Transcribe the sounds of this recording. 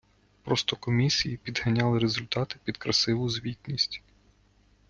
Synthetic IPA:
pɾɔst̪ɔkɔmʲisʲijipʲid̪hɐnʲɑlˠɪɾezʊlʲt̪ɑt̪ɪ̥pʲid̪kɾɐsɪʋʊzʋʲit̪ʲnʲisʲtʲ

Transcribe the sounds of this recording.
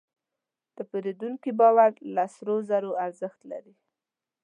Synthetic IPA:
d̪̥əpeɾed̪uŋkibɑwaɾlasɾozaɾoaɾzəxt̪la̰ɾi

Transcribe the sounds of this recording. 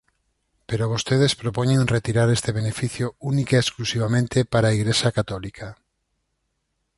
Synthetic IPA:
peɾoβ̞ost̪eð̞espɾopoɲẽŋret̪iɾaɾest̪eβenefiθjounikaeːsklusiβamẽnt̪epaɾaiɣɾesakat̪ɔlikʰa

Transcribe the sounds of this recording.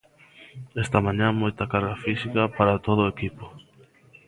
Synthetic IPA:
est̪ɐmãɲãmojt̪akaɾɣafisikapaɾat̪oð̞oekipo

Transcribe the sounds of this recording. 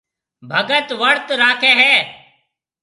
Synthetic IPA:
bʱəɡət̪ʋəɽt̪ɾaːkʰɛːɦɛː

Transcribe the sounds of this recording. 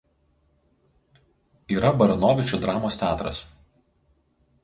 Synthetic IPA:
iːɾɐbɐɾɐnoːʋʲɪt͡ʃʲud̪ɾɑːmoːst̪ʲæːt̪ɾɐ̰s

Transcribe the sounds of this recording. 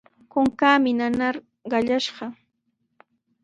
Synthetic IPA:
kʊŋkaːmɪnanaɾ | ɢɑʎaʃɢɑ

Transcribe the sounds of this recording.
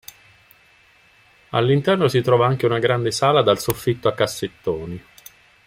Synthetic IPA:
a̰lːint̪ɛrnosit̪ɾɔːvaaŋk̟eunaɡɾand̪esaːlad̪alsofːit̪ːoakːasːet̪ːoːni

